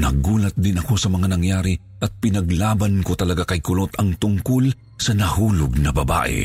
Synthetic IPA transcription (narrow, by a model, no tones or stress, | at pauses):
nɐɡuːlɐt̪̚d̪ɪnɐko̞sɐmɐŋanɐŋjaːɾi | ʔɐt̪̚pɪnɐɡlaːbɐnkot̪ɐlɐɡakɐjkʊlot̪ʰɐŋt̪ʊŋkʊl | sɐnɐhuːlʊɡ̚nɐbɐba̰ːʔɪ̰